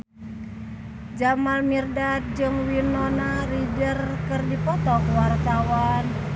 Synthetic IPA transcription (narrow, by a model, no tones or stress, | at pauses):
d͡ʒamalmirdat̪̚d͡ʒɨŋwinɔnarid͡ʒərkɨrdipɔt̪ɔkuwart̪awan